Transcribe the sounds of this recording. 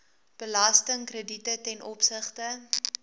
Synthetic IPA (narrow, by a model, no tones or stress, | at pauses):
b̥əlɐstəŋkrəditətɛnʔɔpsəχtə